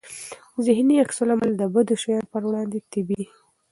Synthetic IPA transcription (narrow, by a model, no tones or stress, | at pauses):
zɪhniaksʊlamald̪əbəd̪oʃajɑnpəɾwɽɑnd̪et̪ɪbi